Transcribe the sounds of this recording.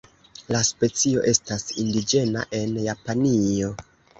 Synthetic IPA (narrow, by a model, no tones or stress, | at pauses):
laspe̞t͡sio̞̰ʔe̞stasindid͡ʒe̞na̰ʔe̞njapanio̞